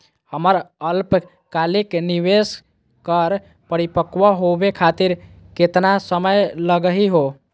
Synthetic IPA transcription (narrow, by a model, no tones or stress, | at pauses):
həməɾəlp | kalikniwes | kəɾ | pəɾipəkʋəɦobekʰat̪iɾ | ket̪nasəməjləɡəɦiɦo